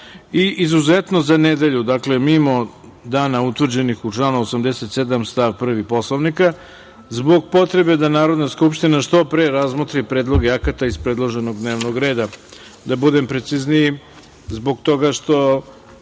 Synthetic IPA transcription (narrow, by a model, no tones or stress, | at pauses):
iʔizuzet̪no̞zaned̪e̞ʎud̪akle̞mimo̞ | d̪aːnaut̪ʋr̩d͡ʑe̞nixut͡ʂlˠaːnuosamd̪eset̪sed̪amst̪aʋpr̩ʋipo̞slˠoʋnika | zbo̞ɡ̚po̞t̪ɾe̞be̞d̪anaːɾo̞d̪naskupʃt̪inaʃt̪o̞pɾeːɾazmot̪ɾipɾeːd̪lˠo̞ɡeakat̪aizspɾedlˠoʒeno̞ɡd̪neːʋno̞ɡɾe̞ːd̪a | d̪abud̪e̞mpɾe̞t̪siznii | zbo̞ɡ̚t̪o̞ɡaʃt̪o̞